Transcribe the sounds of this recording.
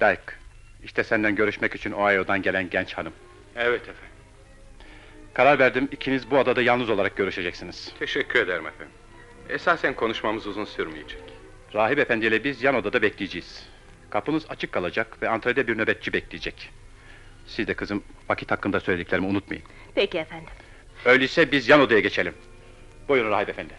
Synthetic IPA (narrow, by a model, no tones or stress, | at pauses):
d̪̥ajɯk | iʃt̪ʰɛsænd̪ænɟø̞ɾyʃmɛcyt͡ʃʰyno̞ajod̪anɟelʲænɟɛnt͡ʃhanɯm | ɛvɛt̪ʰɛfænd̪ | kʰaɾaɾvæɾd̪imicʰinizbuad̪ad̪ajalˠnɯzo̞lˠaɾak̚ɟ̥ø̞ɾyʃe̞d͡ʒɛcsiniz̥t̪ʰeʃɛcʰːyɾed̪ɛɾimɛfæn | esaːsænkʰonuʃmamɯzuzunsyɾmijed͡ʒɛc | ɾaːɦibe̞fænd̪ilʲɛbizjano̞d̪ad̪abɛclʲijed͡ʒijiz̥ | kʰapɯnɯza̰t͡ʃʰɯkʰːalˠad͡ʒakvɛant̪ʰɾad̪ɛbiɾnø̞bɛt̪̚t͡ʃʰibɛclʲijed͡ʒɛc | sizd̪ɛkʰɯzɯmvacʰit̪hakʰːɯnd̪asøjlʲed̪iclʲeɾimiunut̪ma̰jɯm | pʰecifænd̪ɪm | øjlʲijsɛbizjano̞d̪ajaɟet͡ʃʰe̞lʲim | bujonɾaːɦibe̞fænd̪ɪ